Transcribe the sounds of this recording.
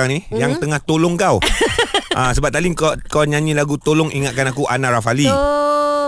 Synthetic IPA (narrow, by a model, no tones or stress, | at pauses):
aŋnijaŋt̪əŋaht̪olʊŋkaw | ʔasəbap̚t̪aliŋkakawɲãɲĩlaɡut̪olʊŋʔiŋat̪̚kanakuʔanaɾafali